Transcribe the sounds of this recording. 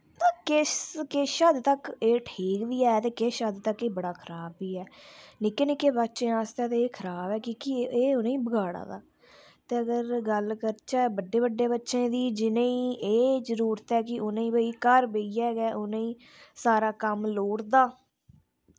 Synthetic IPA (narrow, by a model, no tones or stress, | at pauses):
t̪ãːkɪkeʃəd̪t̪əkeːʈʰiːkd̪iːɛːt̪eːkeʃəd̪t̪əkeːbəɽaːkʰəɾaːbiːɛːnɪkːeːnɪkːeːbətːʃẽːaːst̪eãːt̪eːeːkʰəɾaːbɛːkikieːʊnẽĩːbəɡaːɽa̰ːd̪a̰ː | t̪eːəɡəɾɡəlkəɾt͡ʃaːbəɖːeːbəɖːeːbətːʃẽːd̪iːd͡ʒɪnẽːĩːʔeːzəɾuːɾət̪ɛːkɪʊnẽːĩːbəiːkəɾbeːiɛːɡɛːʔʊnẽĩː | saːɾaːkəmloːɽd̪aː